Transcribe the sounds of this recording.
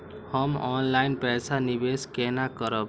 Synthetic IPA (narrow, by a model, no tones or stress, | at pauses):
hʌmɔnlainpɛsʰanibeskenakʌɾəb